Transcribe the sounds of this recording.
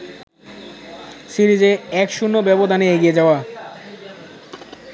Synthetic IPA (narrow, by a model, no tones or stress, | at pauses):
siɾid͡ʑeɛkʃunːobɛbod̪ʱaneeɡied͡ʑaoa